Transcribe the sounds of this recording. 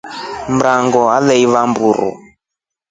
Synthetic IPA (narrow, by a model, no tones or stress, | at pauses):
mɾaŋɡɔalɛiβambuɾɔ̰